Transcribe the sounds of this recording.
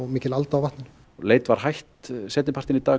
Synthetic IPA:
ɔɣmiːcɪlalt̪aawvaht̪nɪn | leːjt̪vaɾ̥hajht̪sɛːt̪nɪpʰaɾ̥t̪ɪnit̪aː

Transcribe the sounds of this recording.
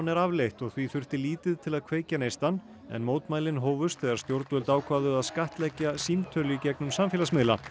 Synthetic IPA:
nɛɾavlejht̪ɔɣθviθʏr̥t̪ɪliːt̪ɪðt̪ʰɪlaðkʰv̥eːjcanejst̪an | ɛ̰nmoːwt̪maːjlɪnɦɔːwvʏst̪θɛɣaɾst̪jowɾt̪vɛlt̪aːwkʰvaːðʏaðskaht̪lɛcːasimt̪ʰœlʏicɛknʏmsamfɪːlasmɪðla̰

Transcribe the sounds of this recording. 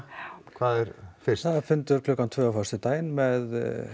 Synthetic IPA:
kʰvaːðɛɾfɪrsθaðafɪnt̪ʏɾ̥kʰlœːkːant̪ʰvœːafast̪ɪt̪aːjɪnmɛð

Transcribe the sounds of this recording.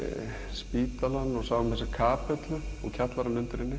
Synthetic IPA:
spiːt̪alanːɔɣsaːwamɛsakʰaːpɛt̪lʏɔ̰ɣcʰat̪laɾanːʏnt̪ɪɾɪnːɪ

